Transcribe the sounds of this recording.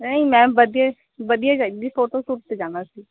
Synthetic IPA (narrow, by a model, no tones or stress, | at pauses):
nəĩmɛ̃ːbəd̪ie | bəd̪ijaːd͡ʒad̪iːpʰoːʈoːsʊɾt̪ed͡ʒãːnaːsiː